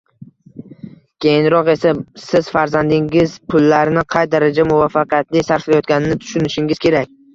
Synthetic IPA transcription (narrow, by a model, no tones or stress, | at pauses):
kʲʰe̞jɪnɾɒqe̞sasɪz̥faɾzand̪ɪŋɪzpʰʊlːaɾnɪqʰɑjd̪aɾad͡ʒamʊvafːɑqʰijat̪lɪsaɾflajɒt̪̚ɡʲanɪnɪt̪ʰʊ̥ʃʊnɪʃɪŋɪz̥kʲʰe̞ɾak̚ʲ